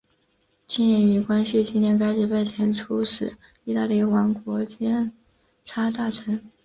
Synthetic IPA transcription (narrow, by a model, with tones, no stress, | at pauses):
t͡ɕi˥njɛ˧˥˩ni˧˩kwa˥nɕy˥˩t͡ɕi˥njɛ˥˧nk̬a˥ɪʈ͡ʂɻ̩˨˧˩pe˥˩ɪt͡ɕʰjɛ˧˥nʈ͡ʂʰu˥ʂɻ̩˨˩˦ | i˥˧t̪a˥˧li˥˩wa˧˥nkwɔ˧˥t͡ɕjɛ˥n | ʈ͡ʂʰa˥t̪a˥˩ʈ͡ʂʰə˧˥ŋ